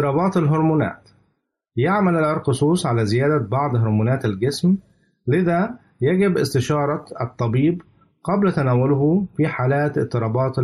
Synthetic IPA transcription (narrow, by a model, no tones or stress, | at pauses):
ɾɑːbɑːt̪ɪlɦʊɾmuːnæ̰ːt̪ | jaʕmælalʕɪɾˤqɨsˤuːsˤʕalæːzɪjæːd̪æbɑʕd̪ˤɦʊɾˤmuːnæːt̪alɡɪsm | lɪðæ | jæɡɪbʔɪ̰st̪ɪʃɑːɾˤɑɨt̪ˤːɑbiːb | qɑblt̪ænæːwʊlɦʊfiħaːlæːt̪ɪt̪ːɨɾˤɑːbɑːt̪